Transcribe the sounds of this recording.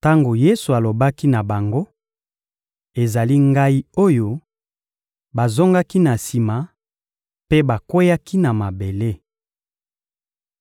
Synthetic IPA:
ta˦ŋɡo˨je˦su˨a˨lo˨ba˦ki˦na˨ba˨ŋɡo˦ | e˨za˨li˦ŋɡa˦i˦o˦jo˦ | ba˨zo˦ŋɡa˦ki˦na˨si˨ma˨ | pe˦ba˨ko˦ja˦ki˦na˨ma˨be˨le˦

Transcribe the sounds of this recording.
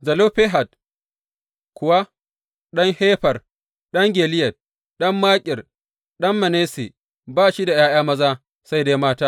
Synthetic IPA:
zɐ˨loː˦ɸe˦ɦa˨t̚ | kʷʊ˨wa˦ | ɗɐ˦ŋheː˦ɸɐ˨r | ɗɐ˦ŋɡʲeː˨lɪ˦jɐ˨t̚ | ɗɐ˦mːaː˦kʲʼɪ˨r | ɗɐ˦mːɐ˨neː˦se˨ | baː˦ʃi˦da˨jaː˦j̰aː˦mɐ˦zaː˦ | sa˦jda˦jmaː˦taː˦

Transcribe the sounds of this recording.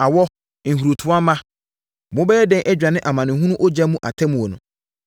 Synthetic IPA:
a˨wɔ˦ | ŋ̩˨hu˨ɾu˨tʰʊ˨˦a˦mã˦ | mʊ̃˦bɛː˦jɛ˦dɛ̃˦nʔɛ˦d͡ʑᶣa˨nɪ̃˦ʔa˨mã˨nɪ̃˨ɦũ˦nũ˦ʔɔ˦d͡ʑa˦mũ˦ʔa̰˨tʰɛ˦mũ˨ɔ˨nʊ̃˨

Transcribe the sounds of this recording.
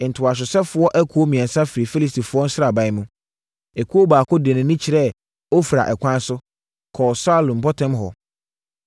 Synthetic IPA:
n̩˨tʰʊ˨a˨s̬ʊ˨sɛ˦fʊ˨ɔ˦ʔæ˦kʰu˨˦o˦mĩ˨ɛ̃˨n˨sã˦fɪ˨ɾi˨fi˦li˨s̬tʰi˨fʊ˨˦ɔ˦n̩˦sɾa˨ba˨˦mũ˦ | e˨kʰu˦o˦baː˨kʊ˦de˨nʊ̃˨nĩ˦t͡ɕʰi˨ɾɛ˦˨ | o˦fɾa̰˨ʔɛ˨kʷʰã˦n˦sʊ˦ | kʰɔː˨saː˦lʊ̃˨m˨bɔ˦tʰɛ̃˦mɦɔ̰˨

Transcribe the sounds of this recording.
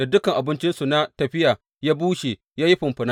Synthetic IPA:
da˨dʊ˦kɐ˨ŋʔa˨bɪ˦nt͡ʃɪ˦nsu˨na˦tɐ˨ɸɪ˦ja˨ | jaː˦buː˦ʃe˨ | jaː˦ji˦ɸʊ˨mɸʊ˨na˦

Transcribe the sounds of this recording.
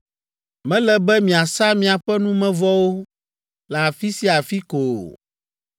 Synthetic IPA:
mɛ̃˦lɛ˦bɛ˦mĩ˨a˨sa˦mĩ˦a˨ɸɛ˦nũ˦mɛ̃˦vɔ˦wo˦ | la˨fi˦si˦a˨fi˦ko˨

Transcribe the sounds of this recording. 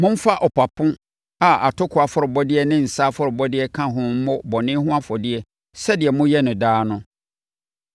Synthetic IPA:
mʊ̃˦m̩˦fa˦ʔɔ˨pʰa˨pʰʊ̃˦ | a˨a˨tʰʊ˦kʰʊ˨a˨fʊ˦ɾʊ˨bɔ˦dɪ˦ɛ˦nɪ̃˦n̩˨saː˦fʊ˦ɾʊ˨bɔ˦dɪ˦ɛ˦kʰã˦ɦʊ̃˦m̩˦mʊ̃˦bɔ˨nɪ̃˦ɦʊ̃˦a˦fɔ˨dɪ˦ɛ˦ | sɛ˦dɪ˨ɛ˨mʊ̃˦jɛ˦nʊ̃˨daː˦nʊ̃˦

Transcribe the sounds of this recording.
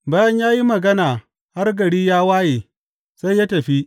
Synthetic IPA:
baː˦jɐ˦ɲjaː˦ji˦mɐ˨ɡɐ˦naː˨ | ha˦rɡɐ˨ɽiː˦jaː˦waː˦jeː˨ | sa˦jja˦tɐ˨ɸi˦ʔ

